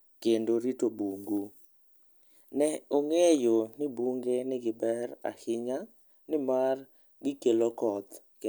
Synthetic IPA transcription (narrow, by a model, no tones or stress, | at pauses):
kendoɾitobuŋɡu | nɛoŋejonɪbuŋɡenɪɡɪbɛɾa̰hɪɲa | nɪmar | ɡɪkelokɔt̪ | k